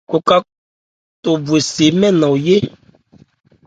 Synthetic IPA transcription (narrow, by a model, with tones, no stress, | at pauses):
ko˨ka˦ | t̪o˨bwe˨se˨mɛ̃˦nã˨wje˦